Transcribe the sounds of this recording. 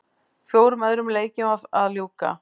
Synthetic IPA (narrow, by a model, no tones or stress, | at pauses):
fjoːwɾʏmɛðɾʏmleːjcɪmaðaðljuːwka̰